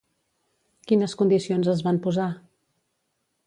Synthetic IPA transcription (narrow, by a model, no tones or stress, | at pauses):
kinəskund̪isionzəzβampuza